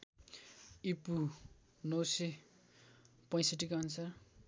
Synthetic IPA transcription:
ipu | nʌwse | pʌ̃j̃sʌʈikaʌnsʰʌr

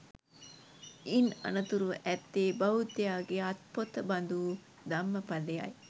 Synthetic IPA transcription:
inɐ̰nɐt̪uɾuʔɛt̪ːeːbɐɦut̪ːejaːɡeɐt̪̚pot̪ɐbɐnd̪u | d̪ɐmːəpɐleja̰j

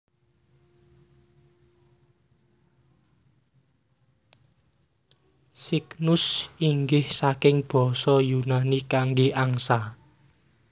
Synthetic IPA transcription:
siknʊsiŋɡɪhsakɪŋb̥ɔ̤sɔjunanikaŋɡeaŋsa

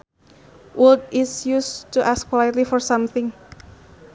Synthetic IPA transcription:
ʔuld̚ɪsjustuʔaskʰːwajɪtlifɔɹsãmθɪ̃ŋ

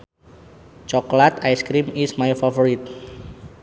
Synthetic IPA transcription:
t͡ʃɔklat̪ajskɾimismajfafoɾit̪̚

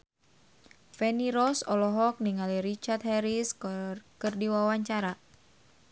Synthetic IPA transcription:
fɛniɾɔsɔlɔɦɔk̚niŋaliɾit͡ʃart̪̚hɛɾiskɨrdiwawaɲt͡ʃaɾa

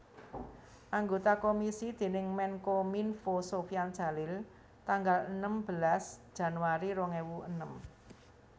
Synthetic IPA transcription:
ʔaŋɡot̪akomisid̪̥e̤nɪŋmɛŋkominfosofiand̥ʒ̥ä̤lɪl | t̪aŋɡalənəmb̥əlasd̥ʒ̥ä̤nwaɾiɾɔŋewuənəm

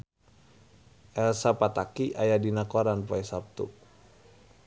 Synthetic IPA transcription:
ʔɛlsapat̪akiʔajadinakoɾanpoɛsap̚t̪ṵ

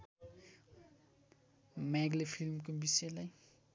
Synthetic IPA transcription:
mɛɡlefilmkumbiselaj

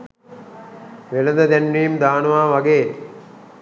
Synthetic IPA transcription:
ʋelɐd̪əd̪ænːiːmd̪aːnuʋaːʋaɡeː

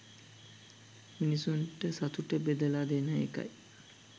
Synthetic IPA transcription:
minisunʈəsat̪uʈəbed̪əlaːd̪enəḛka̰j

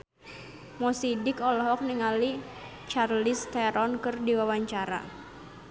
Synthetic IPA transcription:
mɔsidɪkɔlɔɦɔk̚niŋali | t͡ʃarlist̪ɛɾɔnkɨrdiwawaɲt͡ʃaɾa̰

